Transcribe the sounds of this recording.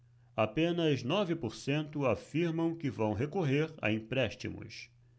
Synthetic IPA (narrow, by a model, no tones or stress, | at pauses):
apẽnɐznɔvɪpoɾsẽnt̪ʊafiɾmɐ̃w̃kɪvɐ̃w̃ɦekoɦeɾa̰ĩpɾɛʃt͡ʃḭmʊ̰s